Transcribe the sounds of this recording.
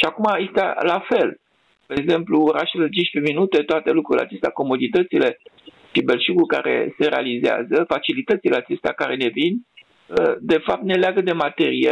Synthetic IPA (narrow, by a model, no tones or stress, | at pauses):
ʃiakumajest̪alafe̞l | peeɡze̞mpluoɾaʃelet͡ʃiʃpeminut̪e̞t̪oat̪e̞lukɾuɾlea̰t͡ʃe̞st̪eako̞mo̞d̪it̪ət̪sile̞ | ʃibe̞lʃuɡulka̰ɾe̞̰se̞ɾe̞alizea̰zəfat͡ʃilit̪ət̪sile̞at͡ʃe̞st̪ea̰kaɾe̞ne̞vin | əd̪e̞fap̚t̪ne̞leaɡəd̪e̞mat̪e̞ɾije